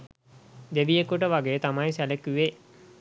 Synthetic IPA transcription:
d̪eʋijekuʈəʋaɡeːt̪amajsælekyʋeː

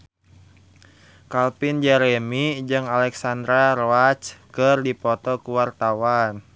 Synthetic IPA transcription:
kalpind͡ʒɛɾɛmid͡ʒɨŋalɛksand̪ɾaɾɔat͡ʃkɨrdipɔt̪ɔkuwart̪awan

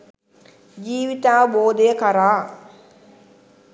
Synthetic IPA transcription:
d͡ʒiːʋit̪aːboːd̪ejəkaɾaː

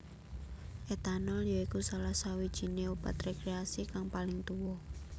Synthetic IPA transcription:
ʔet̪anɔljɔikusalahsawid̥ʒ̥i̤neub̥a̰t̪rekɾeasikaŋpalɪŋt̪uwɔ

